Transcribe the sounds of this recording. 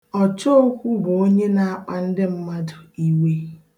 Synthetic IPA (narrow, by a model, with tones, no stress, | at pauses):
ɔ˨t͡ʃo˦o˦kʷu˦bo˨o˦ɲe˦na˨a˦k͡pa˨n̩˦dɪ˦m̩˦ma˦dʊ˨i˨we˦